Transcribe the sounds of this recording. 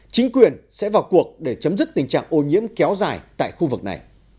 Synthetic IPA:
t͡ɕï˨˦ŋ̟kwi˨˩ənsɛ̰˧˥vaː˨˩wku˨˩ək̚ɗe˧˩t͡ɕə˨˦mzɨ˦˥k̚t̪i˨˩ŋ̟t͡ɕa̰ː˧˨ŋʔo˧˩ɲḭ˧˥əmkɛ˨˦wzaː˨˩jt̪a̰ː˧˨jxu˧vɨ˨˩k̚na̰˨˩j

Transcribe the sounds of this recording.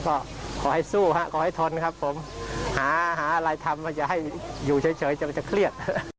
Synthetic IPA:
kɔː˥˩ | kʰɔː˩˦ha˥˩jsuː˥˩ɦa˦˥ʔkʰɔː˧˩ha˥˩jt̪ʰo˧n˧kʰa˦˥pʰːo˩˦mhaː˩˦ɦaː˩˦˧ɾaː˧jt̪ʰa˧mːa˧˥˩t͡ɕa˨ʔha˥˩jjuː˨˩t͡ɕʰɤː˨˦jt͡ɕʰɤː˨˦jt͡ɕa˨˧˩ma˧˩t͡ɕa˨˩kʰɾi˥˩ət̪̚

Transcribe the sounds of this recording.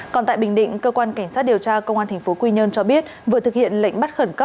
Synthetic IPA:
kɔ˨˩nt̪a̰ː˧˨jɓŋɗḭ̈˧˨ŋkəː˧kwaː˧nka˧˩jŋ̟saː˦˥t̚ɗi˨˩əwt͡ɕaː˧kə˧wŋ͡mʔaː˧nt̪ʰŋ̟fo˨˦kwi˧ɲə˧nt͡ɕɔ˧ɓi˦˥ət̚və˨˦t̪ɨ˨˩hḭ˧˨ənlə̰˧˨jŋ̟ɓa˦˥t̚xə˧˩nkə˦˥

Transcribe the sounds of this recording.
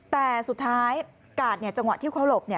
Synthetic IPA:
t̪ɛː˨˩su˨˩t̪ʰːaː˦˥j | kaː˨˩t̪̚ni˥˩ət͡ɕa˧ŋwa˨˩t̪ʰːiː˥˩kʰa˦˥˩lo˨˩p̚ni˥˩ə

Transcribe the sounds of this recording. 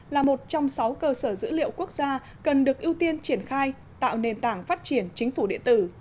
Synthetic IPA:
laː˨˩mo˨˩t̚t͡ɕɔ˧wŋ͡msa˨˦wkəː˧səː˧˩zɨ̰˧˥lḭ˧˨əwku˦˥ək̚zaː˧ | kə˨˩nɗɨ˨˩ək̚ʔi˧əwt̪i˧ənt͡ɕi˧˩ənxaː˧j | t̪a̰ː˧˨wne˨˩nt̪aː˧˩ŋfaː˦˥t̚t͡ɕi˧˩ənt͡ɕï˨˦ŋ̟fu˧˩ɗḭ˧˨ət̪ɨ˧˩

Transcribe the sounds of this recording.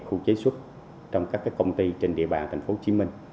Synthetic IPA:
xu˧t͡ɕe˨˦swə˦˥t̚ | t͡ɕɔ˧wŋ͡mkaː˦˥kːaː˨˦˥kːə˧wŋ͡mt̪i˧t͡ɕe˧nɗḭ˧əɓa̰ː˨˩nt̪ʰa˨˩ŋ̟fo˨˦t͡ɕi˨˦mï˧ŋ̟

